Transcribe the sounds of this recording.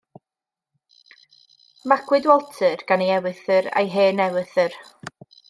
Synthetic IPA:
makʰwɨdwɔlˠtʰɨrɡ̥anejɛwɨθəɾa̰jɦeːnɛwɨθər

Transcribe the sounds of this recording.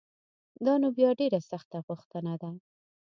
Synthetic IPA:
d̪ɑnobjɑɖeɾasaxt̪aɣʊxt̪ənad̪a

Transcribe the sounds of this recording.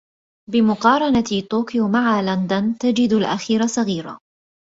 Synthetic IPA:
bɪmʊqɑːɾˤɑnat̪oːkɪjoːmaʕaland̪ant̪ad͡ʒɪd̪alʔa̰xiːɾasˤɑɣiːɾa̰

